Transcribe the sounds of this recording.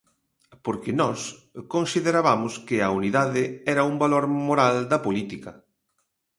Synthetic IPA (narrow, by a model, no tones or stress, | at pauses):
poɾkɪnɔskonsiðeɾaβamʊskɪɐuniðaðɪɛɾɐumbaloɾmoɾald̪ɐpolit̪ikɐ